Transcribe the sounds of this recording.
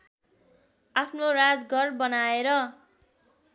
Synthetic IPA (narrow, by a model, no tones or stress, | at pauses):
apʰnorad͡zɡʱʌrbʌnaeɾʌ